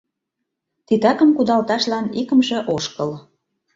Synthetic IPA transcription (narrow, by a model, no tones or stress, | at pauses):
t̪it̪ɑkə̆mkud̪ɑlt̪ɑʃlɑnikə̆mʒĕʔoʃkəl